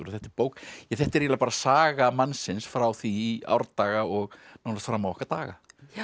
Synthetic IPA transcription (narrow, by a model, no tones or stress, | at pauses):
ɾɔθɛht̪ɪpoːwkjɛθɛht̪ɛɾjalapaɾasaːɣamansɪnsfɾawθiːa̰wɾt̪aːɣaɔɣnawnast̪fɾamːawɔhkaɾt̪aːɣa̰